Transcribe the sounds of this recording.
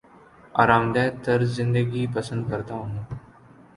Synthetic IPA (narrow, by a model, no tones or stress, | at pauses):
aːɾaːmd̪ɛːt̪əɾzɪ̃nd̪əɡipəsə̃nd̪̚kəɾt̪aɦõna